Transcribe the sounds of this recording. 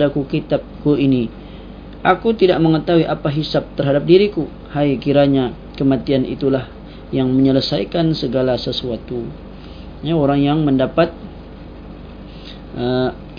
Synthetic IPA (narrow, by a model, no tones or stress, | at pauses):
dakukit̪ap̚kuini | ʔakut̪idaʔməŋət̪aɦuiʔapaɦisap̚t̪ərɦadap̚diɾiku | hajkiɾaɲa | kəmat̪ianʔḭt̪ulah | jaŋməɲələsajkansəɡalasəsuat̪u | jaoɾaŋjaŋməndapat̪̚ | ə